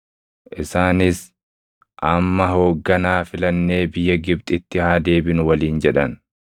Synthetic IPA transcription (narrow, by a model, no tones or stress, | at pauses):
ʔɪsaːnɪs | ʔɐmːɐɦo̞ːɡːɐnaːfɪlɐnːe̞ːbɪjːɐɡɪb̚t̪ʼɪt̪ːɪhaːd̪e̞ːbɪnʊwɐliːnd͡ʒɛᶑɐn